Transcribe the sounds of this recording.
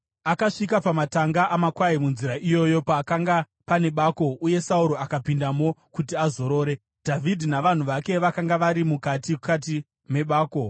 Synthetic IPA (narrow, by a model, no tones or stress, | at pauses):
akaʂikapamataŋɡaʔamakwaimunziɾaʔijo̞jo̞paːkaŋɡa | pane̞ɓaːko̞ʔuje̞sauɾo̞akapindamo̞kutiazo̞ɾo̞ːɾe̞ | d̥ʱavʱidʱinaʋan̤uʋake̞ʋakaŋɡaʋaɾimukatikat̬i | me̞ɓaːko̞